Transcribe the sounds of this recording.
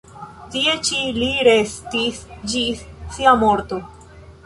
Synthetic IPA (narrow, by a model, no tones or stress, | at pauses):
t̪iet͡ʃiliɾest̪isd͡ʒissiamoɾt̪o